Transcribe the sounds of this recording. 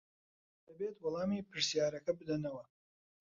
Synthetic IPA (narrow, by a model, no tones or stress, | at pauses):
d̪̥ɐbeːt̪wɑlˠɑːmiːpʰɨɾsijaːɾɐkɐbɨd̪ɐnɐwɐ